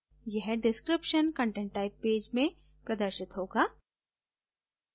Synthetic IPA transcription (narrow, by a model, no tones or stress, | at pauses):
jɛɦɖɪskɾɪpʃənkə̃ːɳʈẽɳʈːaːɪpːeːd͡ʒmẽ | pɾɐd̪əɾʃɪt̪ɦoːɡaː